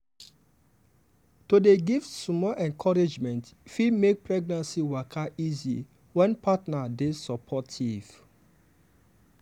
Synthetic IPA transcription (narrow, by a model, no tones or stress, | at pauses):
todeɡiftsmɔʔɛ̃nkʰɔɹed͡ʒmɛ̃ntfimek̚pɹɛɡ̚nãnsiwakʰaʔizḭ | wɛ̃npatnadesɔpʰɔtʰiv̥